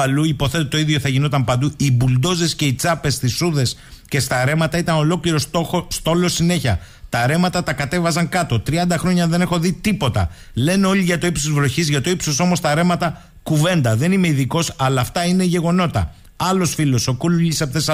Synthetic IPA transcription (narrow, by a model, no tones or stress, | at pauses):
ɐluipo̞θe̞t̪ot̪o̞iðʝo̞θɐʝino̞t̪ɐmpɐnd̪uibuld̪o̞ze̞sce̞it͡sɐpe̞st̪isuðe̞s | ce̞st̪ɐɾe̞mɐt̪ɐit̪ɐno̞lo̞kliɾo̞soxost̪o̞lo̞sine̞çɐ | t̪ɐɾe̞mɐt̪ɐt̪ɐkɐt̪e̞vɐzɐŋkɐt̪o̞t̪ɾiɐnd̪ɐxɾo̞ɲɐðe̞ne̞xo̞ðit̪ipo̞t̪ɐ̰ | le̞neo̞ʎiʝɐt̪o̞ipsozvlo̞çizʝɐt̪o̞ipsoso̞mo̞st̪ɐɾe̞mɐt̪ɐ | kuve̞nd̪ɐðe̞nime̞iðiko̞sɐlɐːft̪ɐine̞ʝe̞ɣo̞no̞t̪ɐ̰ | ɐlo̞sfilo̞so̞koluʎisɐpθes